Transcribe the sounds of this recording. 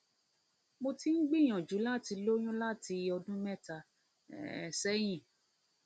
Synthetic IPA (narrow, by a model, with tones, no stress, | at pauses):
mo˧ti˦n̩˦ɡ͡bi˦˨j̃ɔ̃˨d͡ʒu˨˦la˦ti˧lo˦j̃ũ˦la˦ti˧ɔ˧dũ˦mɛ˦˨ta˧˨ | sɛ˦j̃ĩ˦˨